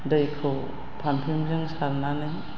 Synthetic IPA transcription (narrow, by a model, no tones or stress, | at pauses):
dəjkʰɯw | pʰampʰimzɯŋsaɾnanɯj